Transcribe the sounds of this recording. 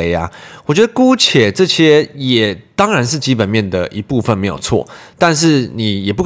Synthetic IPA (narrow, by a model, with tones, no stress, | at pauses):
e˧˦ɪa̰˦wɔ˨˩t͡ɕɥɛ˦˥ə˧ku˦t͡ɕʰjɛ˨˩ʈ͡ʂɤ˥˧ɕjɛ˥jɛ˨˩t̪ɑ˥ŋɻa˧˦nʂ̬ɻ̩˥˩t͡ɕi˦˥pə˨˩nmjɛ˥˩nd̪ə˩ʔi˧˥pu˥˧fə˨nme˧˥ɪjo̰˨˩ʊt͡sʰwɔ̰˥˨t̪a˥˧nʂ̬ɻ̩˥˩ni˨˩jɛ˨˩pu˥˩